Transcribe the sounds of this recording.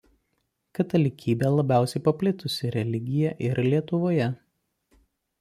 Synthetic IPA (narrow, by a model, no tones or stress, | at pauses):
kɐt̪ɐlʲɪkʲiːbʲeːlˠɐbʲæˑʊsʲɛɪpɐpʲlʲɪt̪ʊsʲɪɾʲɛlʲɪɡʲɪjɛʔɪɾlʲiɛt̪ʊʋoːjɛ